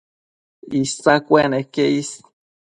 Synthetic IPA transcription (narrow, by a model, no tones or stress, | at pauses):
isakʷenekeis